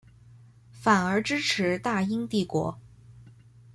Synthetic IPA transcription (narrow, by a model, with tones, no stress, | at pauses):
fa˨˩nə˞˧˥ʈ͡ʂɻ̩˥ʈ͡ʂʰɻ̩˧˥t̪a˥˩i˥ŋt̪i˥˩kwɔ̰˧˥